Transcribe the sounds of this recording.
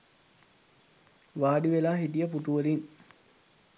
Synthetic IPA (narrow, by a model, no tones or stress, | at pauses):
ʋaːɖiʋelaːɦiʈijəpuʈuʋəliŋ